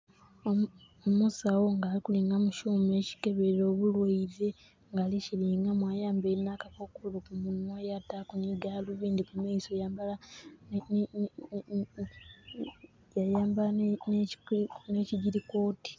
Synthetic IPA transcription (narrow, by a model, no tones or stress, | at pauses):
omusawo̞ŋɡaːlikuliːŋɡamuʃuːme̞ːci̥ke̞βeɾo̞ːβulweiðe | ŋɡaːliciliːŋɡamwajaːmbenːakakokulokumunwojatakuniɡaluβiːndikumaisojaːmbalan | jajaːmbanneciɟiɾiko̞ːti̥